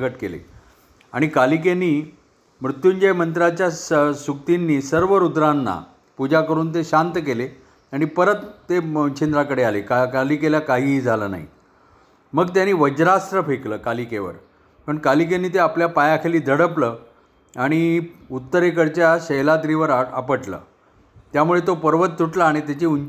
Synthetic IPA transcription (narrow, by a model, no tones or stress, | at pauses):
ɡəʈkelḛ | a̰ɽ̃ikalik̬eniː | mɾut̪juɲd͡ʑejmənt̪ɾat͡ɕjassukt̪inːiːsəɾʋəɾud̪ɾanːa̰ | pud͡ʑakəɾuːnt̪eɕant̪ək̬ele | aɽ̃ipəɾət̪ːeət͡ɕʰend̪ɾakəɽealekakalikeljakaɦiːd͡zʱaləːna̰ɦḭ | məɡt̪janiːʋəd͡ʑɾast̪ɾəfekləːkalikeʋə̰ɾ | pəɳkalik̬enːiːt̪eapljapajakʰeliːd̪ʱəɽəpləː | aɽ̃iut̪ːəɾekəɽt͡ɕjaɕəɦlat̪ɾiʋəɾaa̰pəʈlə̰ː | t̪jamuɭet̪opəɾʋət̪̚t̪ːuʈlaaɽ̃it̪jat͡ɕeun